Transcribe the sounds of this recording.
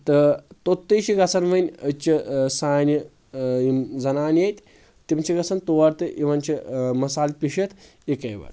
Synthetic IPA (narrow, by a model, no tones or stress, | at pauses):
t̪ɨt̪ot̪ːəjt͡ʃiɡɐt͡sʰɐnʋɐnʲət͡ʃisaːnʲi | imzɐnaːnjet̪ʲ | t̪imt͡ʃʰiɡɐsʰɐnt̪oʋɐɾt̪ɨʔiʋɐnʲt͡ʃimɐsaːlʲpʲiʃɐt̪ʰ | ekɐjʋɐ̰ɾ